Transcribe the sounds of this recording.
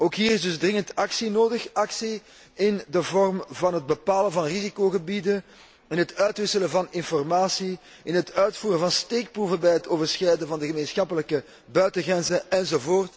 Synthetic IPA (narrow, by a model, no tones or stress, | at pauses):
oːkɦiːɾɪzdɵzdrɪŋəntɑksinoːdəxɑksi | ɪndəvɔrmvɑnɦəd̚bəpaːlənvɑnrizikoːɣəbidən | ɪnɦətœɥtʋɪsələvɑnɪnfɔrmaːsi | ʔɪnɦətœɥtfuːɾəvɑnsteːk̚pruvəbɛjɦətoːvərsxɛjdəvɑndəɣəmeːnsxɑpələkə | bœɥtəɣrɛnzəɛnzovoːrt